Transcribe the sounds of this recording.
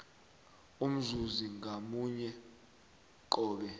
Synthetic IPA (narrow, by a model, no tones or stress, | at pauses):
um̩zuziŋʱamuɲɛ | ǃɔːɓɛ